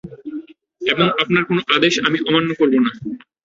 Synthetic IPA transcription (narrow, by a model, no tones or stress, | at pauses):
eboŋapnaɾkonoʔad̪eʃamiʔɔmanːokoɾbona